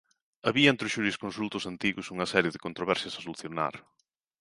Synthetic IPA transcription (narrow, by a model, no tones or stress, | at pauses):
ɐβiɐẽnt̪ɾɪʊʃuɾiskonsult̪ʊsant̪iɣʊsuŋɐsɛɾjeðɪkont̪ɾoβɛɾsjɐsɐsoluθjona̰ɾ